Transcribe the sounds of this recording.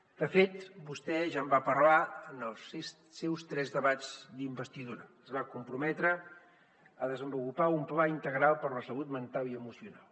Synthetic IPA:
d̪̥əfet̪bust̪ɛʒambapərlaənəlˠs | sɛwst̪ɾɛzðəβad͡zd̪imbəst̪iðuɾəəzβakumpɾumɛt̪ɾə | əðəzəmbulupaumplaint̪əɣɾalˠpəɾləsəβut̪mənt̪aliəmusiunalˠ

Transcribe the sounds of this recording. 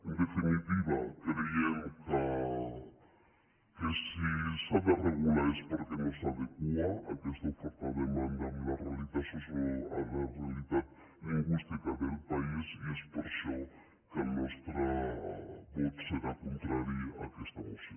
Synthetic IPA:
end̪efinit̪iβakɾeemoka | kesisaβareɣulaespoɾkenosaðekuaakest̪afoɾt̪aðemãnd̪anlarealiðasosoa̰larealiðað | oɣust̪ekaβelpaisiespeɾso | kenwest̪ɾa | βot̪seɾakont̪ɾaɾjiakest̪amose

